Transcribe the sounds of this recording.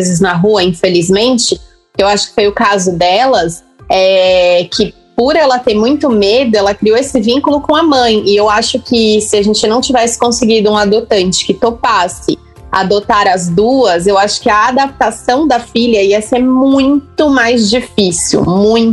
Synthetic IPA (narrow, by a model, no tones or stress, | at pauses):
zɪznɐɦuɐĩfelizmẽt͡ʃɪ | ewaʃʊ̥kɪ̥fojʊkazʊd̪ɛlɐs | ɛkʰɪ | poɾɛlɐt̪eɾmũj̃t̪ʊmed̪ʊɛlɐkɾioesɪvĩŋkʊlʊkõɐmɐ̃j̃ɪewaʃʊkɪsɪaʒẽnt͡ʃɪnɐ̃w̃t͡ʃivɛsɪ̥kõsɪɡid̪ʊũad̪ot̪ɐ̃nt͡ʃɪ̥kɪt̪opasɪ | a̰d̪ot̪aɾɐzd̪uɐzewaʃʊ̥kɪɐːd̪ap̚t̪asɐ̃w̃d̪ɐfiʎjɐiɐseɾmũj̃t̪ʊmajzd͡ʒifisḭwmũj̃